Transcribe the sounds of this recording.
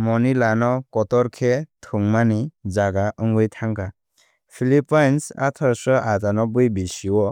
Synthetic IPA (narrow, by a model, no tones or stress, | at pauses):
mɔnilanɔkɔtɔɾkʰetʰɯŋmanizaɡaʔɯŋɡɯjtʰaŋka | pʰilipajnsa̰tʰɔsɔʔatanɔbɯjbisiwɔ